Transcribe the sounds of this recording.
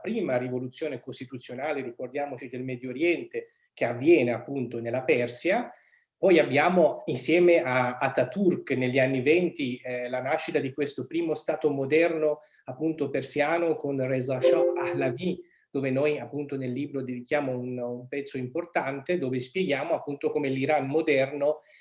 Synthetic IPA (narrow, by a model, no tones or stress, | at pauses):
pɾiːmarivolut̪sːjoːnekost̪it̪ut̪sːjonaːlerikord̪jaːmot͡ʃid̪elmɛd̪joɾjɛnt̪e | k̟eavːjɛːneapːunt̪onelːapɛrsja | pɔjabːjaːmoinsjɛːmeʔaːt̪ːat̪ːurkneʎːianːivɛnt̪ilanaʃːit̪ad̪ikwest̪opɾiːmost̪aːt̪omod̪ɛrno | apːunt̪opersjaːnokonrɛzaʃɔahlavi | d̪̥oːvenojapːunt̪onelːiːbɾod̪ed̪ik̟jaːmounumpɛt̪sːoimport̪ant̪ed̪oːvespjeɡjaːmoapːunt̪okoːmeliɾanmod̪ɛrno